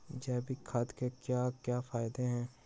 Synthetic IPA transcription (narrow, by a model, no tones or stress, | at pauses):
d͡ʒɛːbʱikʰɐd̪kekjaːkjaːfaːɪd̪eɦɛ̃ː